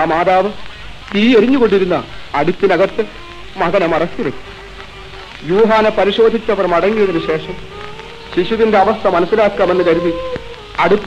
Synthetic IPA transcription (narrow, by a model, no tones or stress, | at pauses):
ɐmaːðaːʋɨ | iːeɾiɲːuko̞ɳɖiɾunːɐːɽut̪ːinɐɣɐt̪ːɨ | mɐðɐnɐmɐrɐst̪iʋɐkːu̥ | juːɦaːnepɐɾiɕo̞ːd̪ʱit͡ɕːɐʋɐrmɐɽɐŋːijɐðinɨɕe̞ːʂɐm | ɕiʂuðinde̞ɐʋɐst̪ʰɐmɐnɐsːilaːkːaːmenːɨkɐɾuði | ɐɽut̪ː